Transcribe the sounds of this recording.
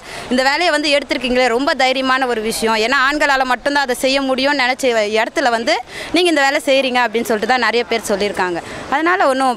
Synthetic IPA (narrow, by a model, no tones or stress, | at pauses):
ɪnd̪ɐʋeːlɐjɐʋɐnd̪ɯɛɽɯt̪ːɯɾɯk̬ːiːŋɡɐɭeːɾɔmbɐd̪ɐjɪɾɪjɐmaːnɐɔɾɯʋɪʂɐjɔ̃eːnːaːaːɳɡɐɭaːlɐmɐʈːʊnt̪ãːɐðɐsɛjːɐmʊɽɪjʊ̃nɛnɛt͡ʃːɯɛɽɐt̪ːɯlɐʋɐnd̪ɯniːŋɡɐɪnd̪ɐʋeːlɛsɛjɾiːŋɡɐɐp̬ːɐɽɪnːɯsɔlːɪʈːɯt̪ãːnɐɾɐjɐpeːɾsɔlːɪɾɯkːaːŋɡɐɐðɐnaːlɐɔnːɯ̃